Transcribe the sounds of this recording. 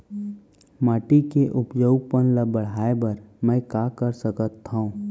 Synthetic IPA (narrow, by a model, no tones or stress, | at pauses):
maːʈikeʔʊpd͡ʒəʊɡ̚pənləbəɽ̤aːebəɾmɛ̃kakəɾsəkət̪ʰːaũː